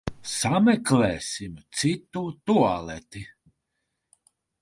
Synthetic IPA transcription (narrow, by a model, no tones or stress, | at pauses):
samɛklɛːsimt̪sit̪ut̪ualɛt̪i